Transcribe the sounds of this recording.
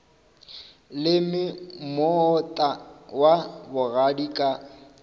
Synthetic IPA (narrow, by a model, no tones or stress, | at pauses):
lɪmɪmɔtʼawabʊɣadikʼa